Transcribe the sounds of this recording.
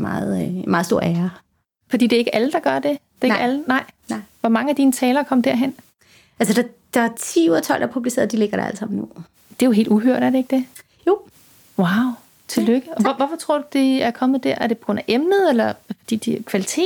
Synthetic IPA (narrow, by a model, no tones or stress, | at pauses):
mɑ̰̈ːð̩ˠmɑ̈ːðˠd̥o̝ɐ̰æːɐ | fɒd̥ḭːd̥e̝ɐe̝ɡəʔæləd̥ɑ̈ɡ̥ɶɐd̥e̝d̥eeɡ̥ælənɑ̈ɪ̰ʋɒmɑ̈ŋəæd̥iːnət͡sʰɛːlɐkʰɒ̽md̥æɐ̰ɦen̰ | ʔælsəd̥ɑ̈ | d̥ɑ̈æt͡sʰḭːuɐt͡sʰɒ̽l̰d̥ɑɐpʰub̥lise̝̰ːɐð̩ˠd̥ileɡ̥ɐɾ̥eæ̰lsɑ̈m̰nu | d̥e̝joɦḛːlduɦøɐ̰ɾ̥æɐɾe̝e̝ɡ̥əd̥e̝ | jo̝ː | wɑ̈ʊ | t͡sʰe̝løɡ̥əɒ̽ʋʋɒfɒ̽t͡sʰʁo̝ɐ̰d̥ud̥eæɐkʰɒ̽mð̩ˠd̥æɐ̰æɐɾ̥epʰɒ̽ɡ̥ʁɔ̽n̰ʔæʔemnð̞ˠelɐfɒ̽d̥ḭːd̥ikʰʋælit͡sʰe̝̰ːd